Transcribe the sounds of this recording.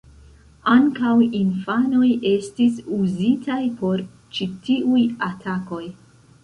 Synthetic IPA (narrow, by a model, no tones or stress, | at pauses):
aŋkawinfano̞jʔe̞stisuzitʰajpʰo̞ɾ | t͡ʃitiujatʰako̞j